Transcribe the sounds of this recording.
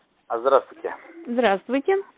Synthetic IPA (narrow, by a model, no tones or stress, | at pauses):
azd̪ɾast̪vʊjtʲɪ̰zd̪ɾast̪vʊjtʲɪ